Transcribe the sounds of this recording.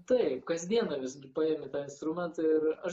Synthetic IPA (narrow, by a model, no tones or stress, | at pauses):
t̪ɐɪpkɐzʲd̪ʲiɛnɐʋʲɪsɡʲɪpɑeːmʲɪt̪ɑːɪ̃nst̪ɾʊmʲɛnt̪ɐɪɾɐʃ